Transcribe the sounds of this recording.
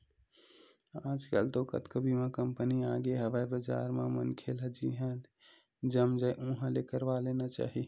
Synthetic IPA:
ãd͡ʒkə̰lt̪okə̰t̪kəbimẽkəmpəniaɡeɦəʋajbəd͡ʒa̰ɾmamənkʰelɦəd͡ʒiɦən | d͡ʒəmd͡ʒəjʔũɦə̃lekəɾbalenat͡ʃa̰ːɦi

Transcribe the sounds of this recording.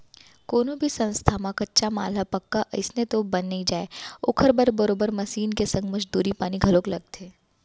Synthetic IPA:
koːnõbʱisɐ̃nst̪ʰamãkɐtːʃama̰ːl̤apɐkːaʔɐ̰ɪsnet̪obɐnːəid͡ʒaːeʊkʰəɾbɐɾbɐɾoːbəɾmɐʃiːnkesɐ̃ŋɡmɐd͡ʒd̪uːɾipaːniɡʱɐlõːklɐɡ̚t̪eː

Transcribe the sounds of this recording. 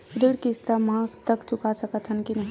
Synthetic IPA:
ɾiɽkist̪amãkt̪əkt͡ʃʊkasəkət̪ɦənkinəɦi

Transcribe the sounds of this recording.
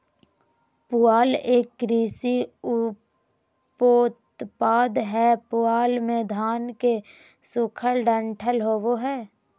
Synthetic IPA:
pʊaːleːkːɾiːsiʊ | poːt̪paːd̪ɦɛpʊaːlmẽd̪ʱaːnke | sʊkʰəlɖə̃ɳʈʰəlɦoːʋoɦɛː

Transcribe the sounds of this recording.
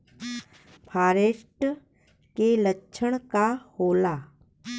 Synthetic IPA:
pʰaːɾeːʃʈ | keləkːt͡ʃʰəɽ̃kahoːlaː

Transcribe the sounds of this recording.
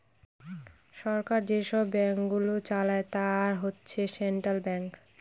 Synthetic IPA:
ʃɔɾkaɾd͡ʑeʃɔbːɛŋkɡulot͡ɕalaet̪aɾɦotːɕʰeseɳʈɾalbɛŋk

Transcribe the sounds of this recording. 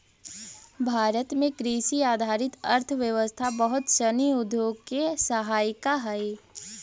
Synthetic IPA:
bʱaːɾət̪mẽkɾiːʃiaːd̪ʱaːɾɪt̪əɾt̪ʰəʋjəʋəst̪ʰabəɦʊt̪ʃəniʊd̪joːɡ̚kesəɦaːjɪkaɦɛj

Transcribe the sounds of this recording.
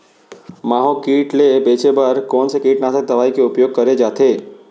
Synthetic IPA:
maɦokiːʈlebet͡ʃebəɾkɔːnsekiːʈnased̪əʋaikeʊpjoːɡ̚kəɾed͡ʒat̪ʰe

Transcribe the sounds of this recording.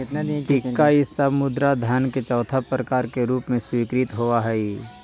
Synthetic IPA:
ʈɪkːaɪsəmʊd̪ɾad̪ʱjaːnket͡ʃɔːt̪ʰapɾəkaːɾkeɾuːpmẽswiːkɾit̪ɦoaɦɛ

